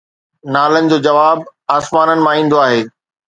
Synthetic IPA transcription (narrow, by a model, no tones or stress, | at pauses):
naːlənɪ̆d͡ʑoːd͡ʑɐʋaːbaːsmaːnənɪ̆mãĩːn̆d̪oaːɦeː